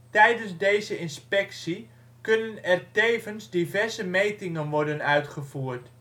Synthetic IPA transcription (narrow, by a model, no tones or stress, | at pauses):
tɛjdənzdejzəɪnspɛksi | kɵnənɛrtejvənzdivɛɹzəmejtɪŋənʋɔɹdənœɥtχəvuːrt